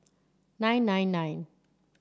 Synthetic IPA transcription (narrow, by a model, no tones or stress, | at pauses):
nãjnːãjnːãjn